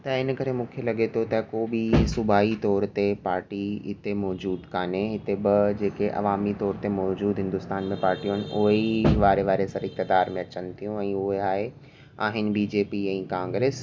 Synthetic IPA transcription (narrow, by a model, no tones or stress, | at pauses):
t̪ɐɪnəkɐɾemũːkʰelɐɡet̪ʰot̪ɐkoːbisʊbʱaːit̪ɔːɾt̪epaːɾʈiɦɪt̪emɔːd͡ʑuːd̪kaːneɦɪt̪ebɪd͡ʑeːkeʔɐ̰ʋaːmit̪ɔːɾt̪emɔːd͡ʑuːd̪ɦɪ̃nd̪ʊst̪aːnmẽpaːɾʈijõɦɪnɪ̆ʊɦeiʋaːɾeʋaːɾesɐɾɪk̚t̪ɪd̪aːɾmẽɐt͡ɕənɪ̆t̪ʰijũɛ̃ːʊɦeaːɦe | a̰ːɦɪnɪ̆biːd͡ʑeːpiɛ̃ːkãːŋɡɾeːs